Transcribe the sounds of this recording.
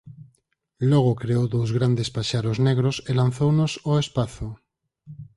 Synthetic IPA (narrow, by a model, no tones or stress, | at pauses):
loɣ̞okɾeowðowzɣɾand̪espaʃaɾozneɣɾoselan̟θownosoespaθo